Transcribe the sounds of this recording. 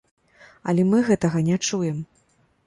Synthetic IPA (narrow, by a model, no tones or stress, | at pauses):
ɐ̰lʲɛmɨɣɛt̪ɐɣɐnʲɛt͡ʂujɛm